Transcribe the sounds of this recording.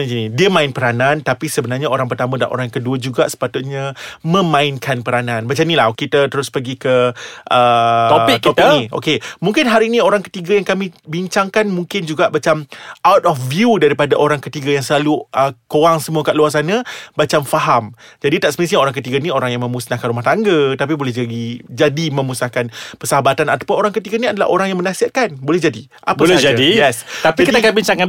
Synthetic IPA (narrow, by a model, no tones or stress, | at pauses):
inidiəmãɪnpəɾanãnt̪apisəbənarɲaoɾaŋpərt̪amə̃da̰ʔo̰ɾaŋkəduəd͡ʒuɡaʔsə̥pat̪ʊt̪̚ɲãmə̃mãɪnkʰanpəɾanãnbat͡ʃamnilahkit̪ət̪əɾʊspəɡikəʔəot̪ɔpiniʔo̰kemuŋkɪnɦaɾiinĩoɾaŋkə̥t̪iɡajaŋkamĩbiɲt͡ʃaŋkanmuŋkɪnd͡ʒuɡaʔbat͡ʃamʔawt̪ɔfvjudaɾipadaʔoɾaŋkət̪iɡajaŋsəlaluʔəkoaŋsəmuakaʔluars̬anãbat͡ʃamfaɦamd͡ʒadit̪aʔsəməsiɲaoɾaŋkət̪iɡanĩoɾaŋjaŋmə̃musnakanɾumaht̪aŋɡət̪ap̬ibolɛhɦd͡ʒaɡid͡ʒadimə̃musnakanpəsaɦabat̪anat̪ḁpʊnoɾaŋkət̪iɡaniadala̰ʔo̰ɾaŋjaŋmənãsiat̪̚kanbolɛhd͡ʒadi | ʔa̰pbaoslad͡ʒadijɛst̪apd͡ʒiakit̪akanbiɲt͡ʃaŋka